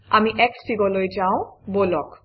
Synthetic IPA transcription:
amiʔɛksʈiɡɔlojd͡ʑaowbolɔk

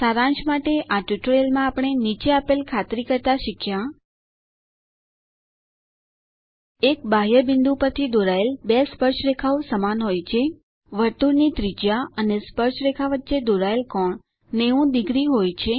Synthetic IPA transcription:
saɾãnt͡ʃmaʈeʔaʈuʈɾelmãapɽ̃enit͡ʃeapelkʰat̪ɾikəɾt̪aʃikʰjã | ek̚baɦjəbɪnd̪ũpəɾt̪ʰid̪oɾaelbespəɾt͡ʃɾekʰaʋusəmanɦojt͡ʃʰe | ʋəɾt̪uɾnit̪ɾid͡ʒjaənespəɾt͡ʃɾekʰaʋətːʃed̪oɾaelkɔɳ | neũd̪iɡɾiɦojt͡ʃʰe

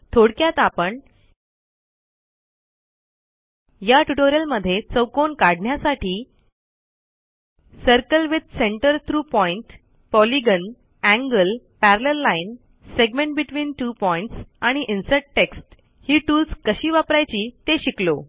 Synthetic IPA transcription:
t̪ʰoɽkjat̪apəɳ | jaʈuʈoɾijəlməd̪ʱːjet͡səwkoɳkaɽɳjasaʈʰiː | səɾkəlʋid̪̚seɳʈəɾt̪ʰɾuːpɔiɳʈ | pɔliɡən | æ̃ŋɡəl | pæɾləɾlːain | seɡmẽɳʈ̚biʈʋiːnʈuːpɔiɳʈsaɽ̃iʔinsəʈʈeksʈ | hiːʈuːlskəɕiːʋapɾajt͡ɕiːt̪eɕiklo

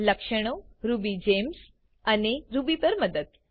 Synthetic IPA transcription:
ləkʂəɽ̃oɾubid͡ʑems | aniɾubipəɾməd̪əd̪

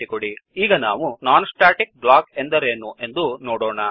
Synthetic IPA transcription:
ikoɽiiːɡɐnaːʋunaːnsʈaːʈik̚blaːke̞nd̪ɐɾeːnuʔe̞nd̪unoːɽɔːɳɐ

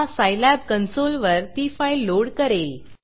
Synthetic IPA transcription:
asajlæb̚kənsolʋəɾʈ̪ifailːoɽkəɾel

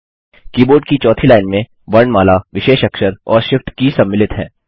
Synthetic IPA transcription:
kiːboːɾɖ̚kit͡ʃɔːt̪ʰilaːɪnmẽ | ʋɐɾɳmaːlaʋɪʃeːʃɐkʃəɾɔːɾʃɪfʈkisɐmːɪlɪt̪ɦɛ̰̃ː

